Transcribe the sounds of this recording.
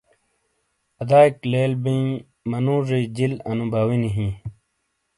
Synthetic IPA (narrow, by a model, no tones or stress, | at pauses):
ɐd̪aːikleːlbĩ | mɐnũːʐed͡ʑilɐnubʱaːwiniɦĩː